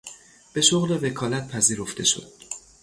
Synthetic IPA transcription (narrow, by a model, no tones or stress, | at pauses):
b̥e̞ʃoɣleve̞kʰɒːlæt̪̚pʰæziːɾo̞ft̪e̞ʃo̞̰d̪̥̚